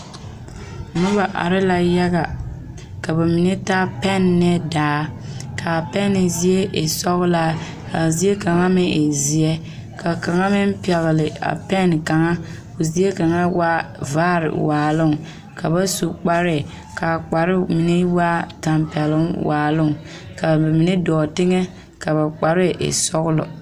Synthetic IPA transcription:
nʊ˦ba˨ʔa̰˨ɾɪ˦la˦ja˦ɣa˨ | ka˨ba˨mi˨ne˦ta˦pɛ˦nːɛ˦daː˨˦kʰa˨pɛ˦nɪ˨zi˨e˦ʔe˨sɔ˦ɣʊ˦la˦ | ka˨zi˨˦e˦ka˨ŋa˦mɪ˦ʔe˨zi˨ɛ˦ | ka˨ka˨ŋa˦mɪ˦m˦pi˨ɛ˨lɪ˨lɪ˨a̰˨pɛ˦nka˨ŋa˦ | ko˨zi˨˦e˦ka˨ŋa˦wa˦vaː˦˨ɾɪ̰˨waː˨lʊ˦˨ŋ | ka˨ba˦su˨k͡pa˦ɾɪ˦˨ | ka˨k͡pa˨ɾɪ˦mi˨ne˦wa˦ta˨mpɛ˨lʊ˦ŋwaː˨lʊ˦˨ŋ | ka˨ba˨mi˨ne˦dɔː˨tɪ˦ŋɛ˦ | ka˨βa˨k͡pa˨ɾɪ˦ʔɪ̰˨sɔ˦ɣʊ˦lɔ̰˨

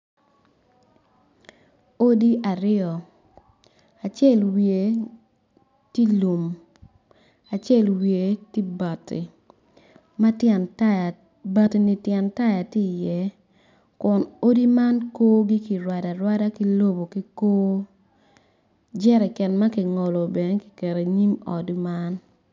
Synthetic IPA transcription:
o˦di˦ʔa˨ɾɪ˦ɔ˨ | a˨t͡ʃjɛ˦˨lwje˨ | ti˦lu˨m | a˨t͡ʃɛ˦˨lwje˨ti˦ba˨tʰḭ˨ | ma˦tjɛ˨nta˦ja˨ | ba˨ti˨ni˨tjɛ˨nta˦ja˨ti˦˨jɛ˦ | kʊ˨no˦di˦ma˦nkoː˦ɡi˦ki˨ɾwa˨da˨ɾwa˦da˦ki˦lo˦bo˨ki˦koː˦ | d͡ʒɛ˦ɾɛ˨kɛ˨nma˦ki˨ŋɔ˨lo˨bɛ˨n˦ki̥˨kɛ˨ɾe˨ɲi˦mɔ˨dma˦n

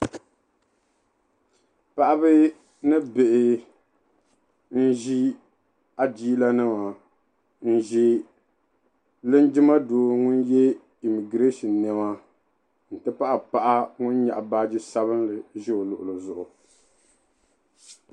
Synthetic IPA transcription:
pa˦ʔa˦bɨ˦ | nɨ˦be˨ʔɪ˨ | n̩˦ʒi˦ | a˨d͡ʒiː˦la˦nɨ˦ma˨ | n̩˦ʒi˦ | lɨ˦nd͡ʒɪ˦ma˦doː˨˦ŋʊ˦njɛ˦ | i˨mi˨ɡɾe˦ʃi˨nɛ˨ma˦ | n̩˨tɨ˦pa˦ʔa˨pa˦ʔa˦ŋʊ˦n˦ɲa˨ʔa˨baː˦d͡ʒi˦sa˦βɨ˦nlɨ˨ʒɪ˦o˨lʊ˨ʔʊ˨lɨ˨zʊ˨ʔʊ˨

